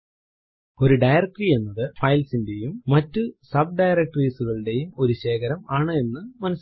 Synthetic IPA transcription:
o̞ɾuɖɐjrɐk̚ʈːrie̞nːɐðɨfɐjlsinde̞jumːɐtːɨsɐb̚ɖɐjɾɐk̚ʈriːsuɣɐɭɨɽe̞jumo̞ɾuɕe̞ːkɐɾɐmaːɳɨe̞nːɨmɐnɐs

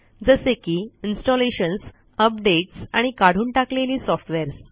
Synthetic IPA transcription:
d͡zəsekiːinsʈɔleɕəns | əpɖeʈsaɽ̃ikaɽ̤uːɳʈakleliːsɔfʈʋeɾs

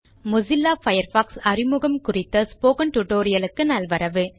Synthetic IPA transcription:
mʊzɪlːaːfɐjɐɾfaːksɐrɪmʊɣɐmkʊrɪt̪ːɐspoːkɐnʈʊʈːoːɾɪjɐlɯkːɯnɐlʋɐɾɐʋɯ

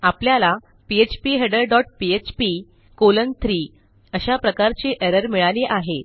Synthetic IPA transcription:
apljala | piet͡ɕpiɦeɖəɾɖɔʈ̚piet͡ɕpi | kolənt̪ʰɾi | əɕapɾəkaɾt͡ɕeʔeɾəɾmiɭaleʔaɦe

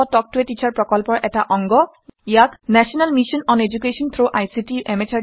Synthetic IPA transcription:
ɔtɔk̚tuetit͡ʃʰaɹpɹɔkɔlpɔɹʔɛtaʔɔŋɡɔ | jaknɛsɔnalmisɔnɔned͡ʒukesɔnt̪ʰɹoʔajsitiʔɛmet͡ʃʰa

